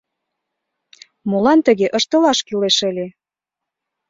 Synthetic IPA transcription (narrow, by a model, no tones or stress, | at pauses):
molɑnt̪ə̆ɣeʔəʃt̪ə̆lɑʃkileʃə̆lʲe